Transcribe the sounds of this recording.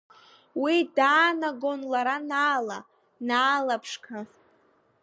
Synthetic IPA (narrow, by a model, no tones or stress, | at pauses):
widaːnaɡo̞nlaɾanaːla | naːlapʰʂkʰa